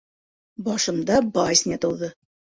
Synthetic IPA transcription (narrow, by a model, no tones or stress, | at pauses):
bɒʃɤ̆md̪ɑbɑjsʲnʲet̪ɤ̆wðɤ